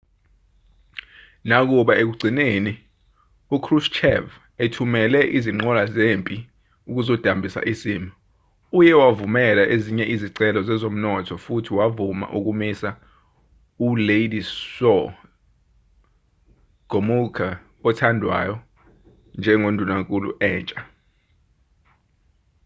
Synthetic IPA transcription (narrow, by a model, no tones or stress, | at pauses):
nak̬uɓaʔek̬uɡ͡ǀʱineni | ukʰrust͡ʃʰɛ̰v | etʰumɛlɛʔiziŋ͡ǃɔlazempʼi | uk̬uzod̥ʱambʱisa̰ʔisiːmi | ujɛwavumɛlaʔeziɲɛʔiziǀɛlɔzɛzom̩nɔtʰɔfutʰiwavuma̰ʔuk̬umisa | ulejdisɔ | ɡ̥ʱomukʰa | ɔtʰandʱwa̰jɔ | nd͡ʒʱɛŋondʱunakʼulṵʔɛːnt͡ʃʼa